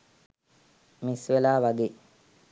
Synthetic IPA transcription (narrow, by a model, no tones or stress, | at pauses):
misʋelaːʋaɡe